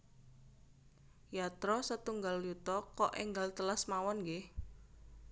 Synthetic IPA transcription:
jat̪ɾɔsət̪uŋɡaljut̪ɔkɔʔeŋɡalt̪əlasmawɔnɡe

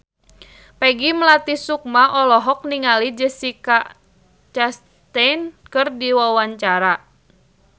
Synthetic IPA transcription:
pɛɡiməlat̪isuk̚maʔɔlɔɦɔk̚niŋalid͡ʒəsika | t͡ʃas | t̪ɛnkɨrdiwawaɲt͡ʃaɾa

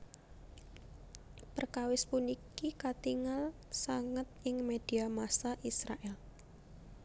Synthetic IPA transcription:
pərkawɪspunikikat̪iŋal | saŋət̪̚ɪŋmed̪̥i̤amasaʔisɾaʔɛl

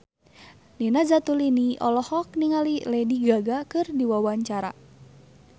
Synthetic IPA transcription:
ninad͡ʒat̪uliniʔɔlɔhɔk̚niŋalilɛdiɡaɡakɨrdiwawaɲt͡ʃaɾa̰

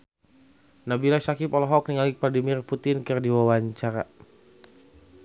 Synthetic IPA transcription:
nabilasakipɔlɔɦɔk̚niŋalipladimɪrput̪ɪnkɨrdiwawaɲt͡ʃaɾa

